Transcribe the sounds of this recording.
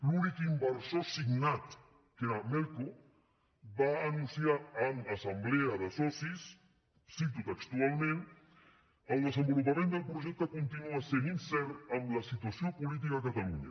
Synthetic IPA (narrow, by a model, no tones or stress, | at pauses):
lunikimbəɾsosiɡnat̪ | keɾamɛlko | baːnũnsjaːnasambleaðəsɔsis | sit̪ut̪əkst̪ualmẽn | əlˠðəsəmbulupamẽnd̪əlˠpɾoʒɛk̚t̪akont̪inuaseninsɛɾt̪amlasit̪wasjopolit̪̬ikakat̪aluɲa̰